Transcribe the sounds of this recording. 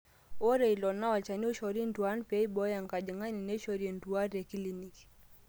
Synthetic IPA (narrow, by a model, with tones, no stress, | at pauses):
ɔ˦ɾɛ˨i˨lɔ˨na˦wa˨t͡ʃa˨ni˦u˦ʃɔ˨ɾi˦ndu˨a˦npɛ˦i˦bɔ˦ja˨ŋka˨d͡ʒi˨ŋa˦ni˨nɛ˦ʃɔ˨ɾiɛ˨ndu˨a˦ɾɛ˨ki˦li˨ni˨k